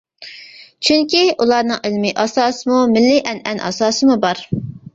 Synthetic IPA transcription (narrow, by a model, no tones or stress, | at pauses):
t͡ʃʰyŋkʲiʔulˠɑɾnɨŋɪlmɪʔɑsɑːsɨmumɪlːɪʔɛnʔɛnʔɑ̰sɑːsɨmubɑɾ